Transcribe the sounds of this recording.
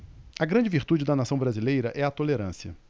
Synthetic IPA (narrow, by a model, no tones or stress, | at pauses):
ɐɡɾɐ̃nd͡ʒɪviɾt̪ud͡ʒɪd̪ɐnasɐ̃w̃bɾazilejɾɐʔɛɐt̪oleɾɐ̃siɐ̰